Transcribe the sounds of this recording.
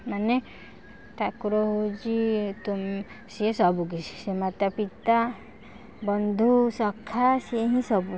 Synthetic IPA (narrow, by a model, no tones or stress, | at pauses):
mane | ʈʰakuɾɔɦod͡ʒit̪um | siesɔbuɡisi̥semat̪apit̪a | bɔnd̪ʱusɔkʰːasieɦĩsɔbu